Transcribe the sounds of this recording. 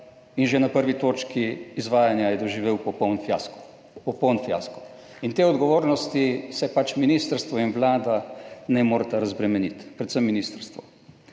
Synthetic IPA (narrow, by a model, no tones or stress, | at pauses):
inʒenapəɾʋit̪oːt͡ʃkiːzʋaːjanjajɛd̪ɔʒiʋeːwpɔpɔwnfjaskɔ̥ | pɔpɔwnfja̰skɔ̥ | int̪eːɔd̪ɡɔʋoːɾnɔst̪isɛpat͡ʃminiːst̪əɾst̪ʋɔinʋlaːd̪anɛmoːɾt̪aɾazbɾɛmɛnit̪pɾɛt̪səmːiniːst̪əɾst̪ʋɔ̰